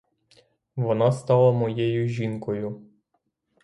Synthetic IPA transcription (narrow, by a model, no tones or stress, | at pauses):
ʋɔnɑst̪ɑlˠɐmɔjɛjʊʒʲinkɔjʊ